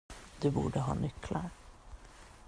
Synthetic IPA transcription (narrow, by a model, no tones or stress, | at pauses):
d̪ɵbuːɖəɦɑ̰ːnʏklaɾ